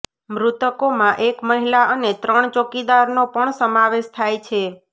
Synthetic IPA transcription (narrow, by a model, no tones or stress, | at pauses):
mɾut̪əkomãʔekməɦilaʔənet̪ɾəɳt͡ʃokid̪aɾnopəɳsəmaʋeʃt̪ʰajt͡ʃʰe